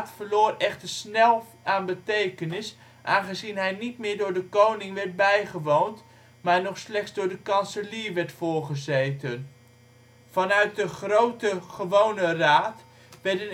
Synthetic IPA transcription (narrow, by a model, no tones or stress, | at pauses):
tfəɹlʊːrɛχtəɹsnɛlˠ | aːnbətejkənɪs | ʔaːnχəzinɦɛjnitmɪːɹdʊːɹdəkownɪŋʋɛɹt̚bɛjχəʋownt | maːɹnɔχslɛχsdʊːɹdəkɑnsəliəʋɛɹtfʊːɹχəzejtən | fɑnœɥt̚dəχrowtəχəʋownəraːt | ʋɛɹdən